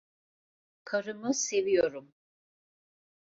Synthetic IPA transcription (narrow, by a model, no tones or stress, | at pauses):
kʰaɾɯmɯsevijoɾum